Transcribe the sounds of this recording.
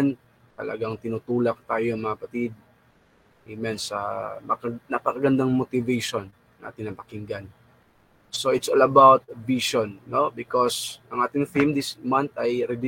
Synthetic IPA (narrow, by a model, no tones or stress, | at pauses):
n | t̪ɐ̰lɐ̰ɡaŋt̪ɪnut̪uːlak̚t̪aːjoɐŋmɐŋɐpɐt̪ɪd̪̚ | ʔɪmɛnsɐ̰mɐnɐpɐkɐɡɐnd̪aŋmot̪ɪvɛjʃon | ŋʔa̰ːt̪ɪnɐŋpɐkɪŋɡan | soʔɪt̪solɐbawt̪̚viʃonːo̞bɪkosʔɐŋʔaːt̪ɪŋfimd̪ɪsmant̪ɐjɾɛd̪